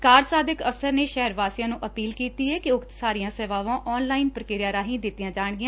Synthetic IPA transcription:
kaːɾsaːd̪ɪkəfsəɾneːʃɛɦəɾʋaːsijãːnũːʔəpiːlkiːt̪iːɛːkiʊkt̪saːɾijãːsɛːʋaːʋãːʔɔːnlaːɪnpɾəkɪɾɪjaːɾaːɦĩːd̪ɪt̪ːijãːd͡ʒaːɳɡɪãː

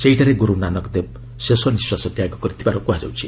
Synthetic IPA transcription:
sejʈaɾeɡuɾuwnanʌkd̪eb̚ | sesʌniswasʌt̪jaɡokʌɾit̪ʰipaɾokuɦad͡zʌ̰wt͡sʰi

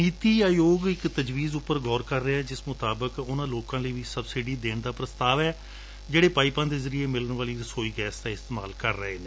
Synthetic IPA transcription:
niːt̪iːaːjoːɡɪkt̪əd͡ʒʋiːzʊpːəɾɡʱɔːɾkəɾːəɛːd͡ʒɪsmʊt̪aːbəkʊnãːloːkãːləiːʋiːsəbsɪɖiːd̪eːɳd̪aːpɾəst̪aːʋɛː | d͡ʒeːɽeːpaːipãːd̪eːzəɾiːeːmɪlənʋaːliːɾsoːiːɡɛːsd̪aːɪst̪eːma̰ːlkəɾːəɦeːneː

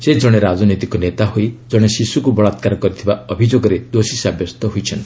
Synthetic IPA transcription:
sed͡ʒɔɽ̃eɾad͡ʒɔnojt̪ikɔnet̪aɦojd͡ʒɔɽ̃esisukubɔɭat̪kaɾɔkɔɾit̪ʰibaɔbʱid͡ʒoɡɔɾed̪osisabjɔst̪ɔɦujt͡ʃʰɔnt̪i

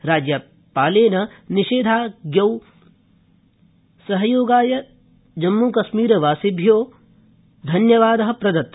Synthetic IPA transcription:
ɾaːd͡ʒjɐ | paːleːnɐniʃeːd̪ʱaːɡjɐw | sɐɦɐjoːɡaːjɐ | d͡ʒɐmːukɐʃmiːɾɐʋaːsibʱjoː | d̪ʱɐnjɐʋaːd̪ɐɦɐ̆pɾɐd̪ɐt̪ː

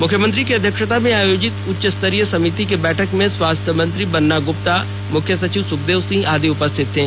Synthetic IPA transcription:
mʊkʰjəmə̃nt̪ɾikeɐd̪ʱjəkʃət̪amẽaːjoːd͡ʒɪt̪ʊtːʃəst̪əɾijəsɐmit̪ikebɛːʈʰəkmẽswaːst̪ʰjəmə̃nt̪ɾibɐnːaɡʊp̚t̪a | mʊkʰjəsɐt͡ʃiʋsʊk̚d̪eːʋsɪ̃ŋɡaːd̪iʊpəst̪ʰɪt̪ɦɛ̃ː

